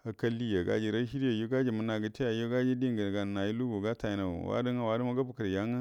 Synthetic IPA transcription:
a˨ka˦lːi˦ja˨ɡa̰˦d͡ʒi˨ɾa˦ʃi˦ɾa˨ju˦ɡa˦d͡ʒi˨mu˦na˨ɡə˦te˦ja˨jo˦ɡa˦d͡ʒi˦di˦ŋɡə˨ɡa˨na˨ji˦lu˦ɡo˨ɡa˦ta˨ji˨na̰˨wa̰˦di˦ŋa˦wa˦du˦ma˦ɡa˦bu˨kə˨ɾja˦ŋa˦

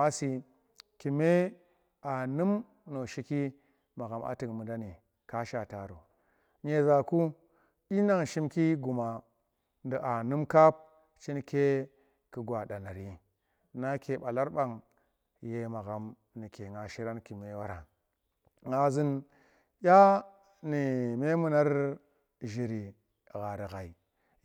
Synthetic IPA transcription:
ma˦si˨ | ki˨me˦ | a˨nɨ˦m | no˨ʃi˦ki˦ | ma˨ɣa˨mʔa̰˨tɨ˨kmu˨da˦ni˨ | ka˦ʃa˨ta˨ɾu˨ | ɲe˨za˨ku˦ | i˦na˦ŋʃi˦mki˦ɡu˨ma˨ | ndə˨ʔa˨nu˦mka˦p̚ | t͡ʃi˦n˦ke˦ | ki˨ɡwa˨ɗa˨na˨ɾi˨ | na˦ke˨ɓa˨la˦ɾɓa˨ŋ | je˦ma˨ɣa˨m | ni˨ke˨ŋa˨ʃi˦ɾa˦nki˨me˦wa˦ɾa˨ŋ | ŋa˨zi˦n | jʲa˦ | ni˨me˦mu˦na˦ɾ | ʒi˨ɾi˨ | ɣa˨ɾi˨ɣa˨i˨

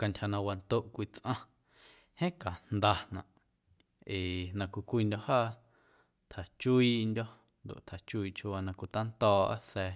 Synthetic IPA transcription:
ka˧ntʲʰha˧nã˧wa˧nt̪o˦˧ʔkʷi˧t͡sʔã˧ | hẽ˦ka˨n̥d̪a˧nã˨ʔ | e˨nã˧kʷi˧kʷi˧ndʲo˧haː˦ | t̪ʰa˨t͡ʃu˦i˧ʔndʲɔ˦ | nd̪o̰˨ʔt̪ʰa˨t͡ʃu˦i˧ʔt͡ʃʰu˧wa˧nã˧kʷi˧t̪a˦nt̪ɔː˧ʔa̰˦sɛ˧

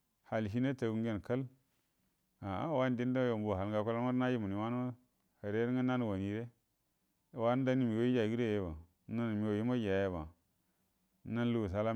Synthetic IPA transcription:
ha˨lʃi˦na˦ta˨ɡu˦ŋɡe˦n˨ka˦l | a˨a˦wa˦n˦˨di˦n˦da˦jo˨mbo˨a˨lŋɡa˨ka˦la˦ma˦ɾna˦ji˦mu˨i˨wa˦no˦ | ha˨ɾe˦ɾŋa˦na˦n˨wa˨ni˨ɾe˦˨ | wa˦n˦da˦ni˦mi˨wo˦i˦d͡ʒa˨ɡi˦ɾe˦˨je˦ba˨˦ | na˦n˨mi˨wo˨ji˦ma˦d͡ʒa˨je˦ba˨˦ | na˦n˦lu˦˨s̬a˦la˦

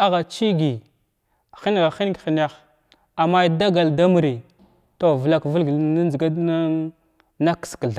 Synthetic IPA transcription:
a˦ɣa˨t͡ʃi˦ɡi˨ | xi˦n˦˨ɣa˨xi˦n˦ɡxi˨n˦ja˦x | a˨ma˦da˦ɡa˨lda˦mu˨ɾi˨ | to˦˨və˨la˦kvə˦lɡna˦zɡa˦dna˦ | na˦kskə˨ɮa˨

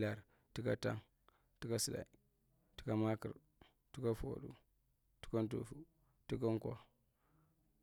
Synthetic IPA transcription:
la˨ɾ | ti˦ka˦ta̰˦ŋ | ti˦ka˦si˨la̰˨i˨ | ti̥˦ka˦ma˦kḭ˨ɾ | ti˦ka˦fo̰˨ɗṵ˦ | ti̥˦ka˦n˦tṵ˨fu˦ | tu˦ka˦ŋko˦

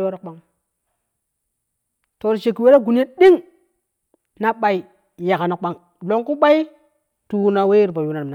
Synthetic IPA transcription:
wa˦ɾa˦kɓa˦ŋ | to˨ɾt͡ʃe˨kːi˨we˦ɾa˦ɡu˨n˦e˦ɗi˦ŋ | na˦ɓa˨i˨ | ja˨ka˨na˨ɓa˦ŋ | lo˨ŋku˦ɓa˦i˦ | tu˨˦na˨we˦i˦ɾpa˨u˦na˨na˨

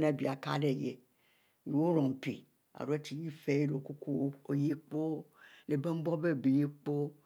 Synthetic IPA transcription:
nã˦˨bi˨a˨ka̰˦ɖe˦˨je˨ | je˨wo˦ɾɔ̃˨m˨pḭ˨ | a̰˨ɾo˦e˦t̪i˨ji˦fe˦je˦ɖo˨o˨ku˦ku˦wo˦o˦je˦k͡po˦le˨be˦m˦bɔ˦be˦˨be˨je˦k͡po˦

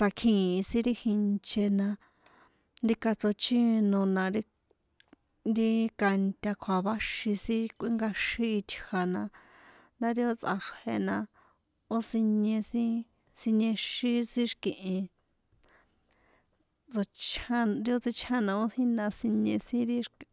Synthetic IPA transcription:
sa˧kʰĩ˨i˧sĩ˦ɾi˦hi˧nt͡ʃe˧nã˧ | nd̪i˧ka˧t͡so˧t͡ʃĩ˦˧nõ˧nã˧ɾi˦ | ɾi˦ka˧nt̪ʲa˧kʰa˨βa˦ʃi˧sĩ˦kʷi˦ŋɡa˧ʃĩ˦i˧t̪ʲʰa˨nã˧ | nd̪a˦ɾi˦o˧t͡sʼʔa̰˧ʂhe˧nã˧ | o˦si˧ɲẽ˧sĩ˦ | si˧ɲẽ˧ʃi˦sĩ˦ʂkĩ˨ʔĩ˧ | t͡so˧t͡ʃa˦ɾi˧˦o˦˧t͡si˧t͡ʃʰa˦nã˧o˦hĩ˦nã˧sĩ˧ɲẽ˧sĩ˦ɾi˦ʂk

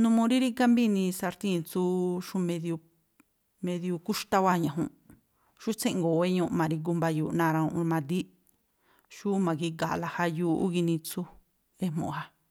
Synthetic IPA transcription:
nũ˧mũ˧ɾi˦ɾi˦ka˦mbi˦nĩ˧sa˧ɾt̪ĩ˦˨t͡su˦ʃu˦mẽ˧ðju˧ | mẽ˧ðju˧ku˦ʃt̪a˦˧wa˦ɲã˨ɦũ˧˨ | ʃu˦t͡sẽ˦ʔŋɡo˨e˦ɲũ˧ʔmã˨˧ɾi˧ɡ̬u˧mba˧juː˧˨˧nã˧ɾã˧ũ˧ʔmã˧d̪i˦ | ʃu˦mã˨ki˧ɡa˨la˧ha˧juː˧ṵ˦ɡi˧nĩ˧t͡su˦ | e˦mõ̰˨ha˧

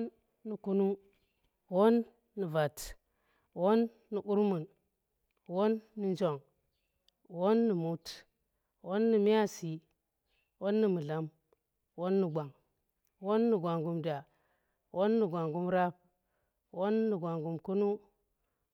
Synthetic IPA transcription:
nː | i˨ku˦nu˦ | wo˦nː | i˨va˨t | wo˦nː | i˨ʔu˦ɾmu˨n | wo˦nːi˦nd͡ʒo˨ŋ | wo˦nːi˨mu˦t | wo˦nːi˨mi˦a˦si˨ | wo˦nːi˨mu˨ɮa˦m | wo˦nːi˨ɡʷa˨ŋ | wo˦nːi˨ɡʷa˨ŋɡu˨mda˨ | wʔo˦nːi˨ɡʷa˨ŋɡu˦mɾa˦p̚ | wo˦nːi˨ɡʷa˨ŋɡu˨mku˦nu˦

